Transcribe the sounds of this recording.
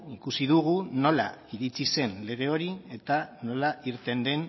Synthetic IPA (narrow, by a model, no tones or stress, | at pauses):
ikusiðuɣ̞uno̞la̰iɾit͡sise̞nle̞ɣ̞e̞o̞ɾie̞t̪ano̞laiɾt̪e̞nd̪e̞n